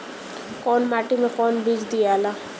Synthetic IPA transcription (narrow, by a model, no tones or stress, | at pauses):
kɔnmaʈimekɔnbid͡ʒd̪ijala